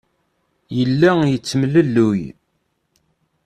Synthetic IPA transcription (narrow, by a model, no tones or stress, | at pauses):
jəlːæjət͡sːəmləlːuj